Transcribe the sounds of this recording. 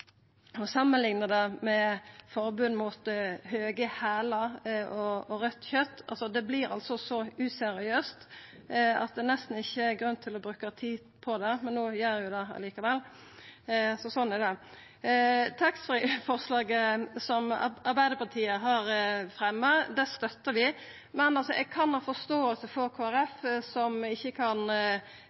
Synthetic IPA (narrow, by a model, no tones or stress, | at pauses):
ɔsɑmːənlɪŋnəd̪ɛmɛfɔɾbʉnmut̪høːɡəhæːləɾɔɔɾœt̪ːçœt̪ːɑ̰lsɔd̪ɛblɪɾɑ̰lt̪sɔsɔʉsɛɾɪøːst̪ | ɑ̰t̪̚d̪ɛːnɛst̪n̩ɪçːəɛɾɡʁʉnːt̪ʰɪlɔbɾʉːkət̪ʰiː | pʰɔd̪ɛmɛnːuːjœɾjʊd̪ɛɑ̰liːkɑʋɛlː | sɔsɔnːɛd̪ɛ | t̪ʰɑksfiːfɔɾslɑːɡəsɔmɑɾbæɪd̪əpɑt̪ʰiːəɦɑɾfɾɛmːəd̪ɛst̪œt̪ːəɾʋɪ | mɛnɑlsɔʔɛɡ̚kʰɑnhɑːfɔst̪oːəlsəfɔɾkʰoːæɾɛfsɔmɪçːəkʰɑn